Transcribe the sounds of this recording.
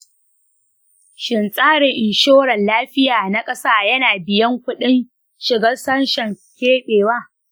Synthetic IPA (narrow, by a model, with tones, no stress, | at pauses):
ʃɪ˨nsʼaː˦ɽɪ˨ŋʔɪ˨nʃoː˦ɽɐ˨nlaː˦ɸɪ˦jaː˨na˦kʼɐ˦saː˦jɐ˦naː˨bɪ˨jɐ˦ŋkʷʊ˦ɗɪ˦n | ʃɪ˨ɡɐ˦rsɐ˦nʃɐ˨ŋ | kʲeː˦ɓeː˨waː˦